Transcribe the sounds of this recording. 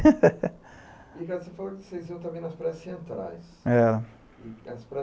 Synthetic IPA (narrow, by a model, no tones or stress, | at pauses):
ikazsefalokɪsejziɐ̃t̪ɐ̃mbẽj̃nɐspɾɛssẽnt̪ɾa̰jsɛɾɐ | ɐspɾɛ